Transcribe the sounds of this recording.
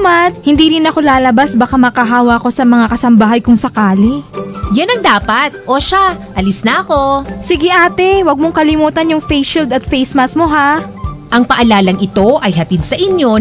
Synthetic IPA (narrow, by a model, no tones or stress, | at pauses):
mat̪̚hɪnd̪iːɾɪnɐko̞laːlɐbasbɐkamɐkɐɦaːwɐʔɐko̞sɐmɐŋakɐsɐmbɐɦajkʊŋsɐkaːlijanɐŋd̪aːpɐt̪̚ʔoʃaʔɐlɪsnɐɐko̞sɪɡɪʔaːt̪ɛwɐɡ̚moŋkɐlɪmuːt̪ɐnjʊŋfejsild̪ɐt̪fejsmasmo̞ɦa | ʔɐŋpɐʔɐlaːlɐŋɪt̪o̞ʔɐjɦɐt̪id̪̚sɐʔɪnjo̞